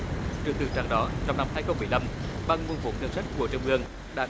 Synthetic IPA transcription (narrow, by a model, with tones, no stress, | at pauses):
t͡ɕɨ˨˩əŋt̪ɨ̰˨˩t͡ɕa̰ː˧˩ŋɗɔ˨˦t͡ɕɔ˧wŋ͡mna˧mhaː˧jxə˧ŋ͡mɓɨ˧˩˨jla˧mɓa˧ŋvu˧˩nvo̰˧˥ɨ˧nsa˦˥jk̚ku˧˩ət͡ɕŋ͡mʔɨ˧əŋ | ɗa̰ː˧˥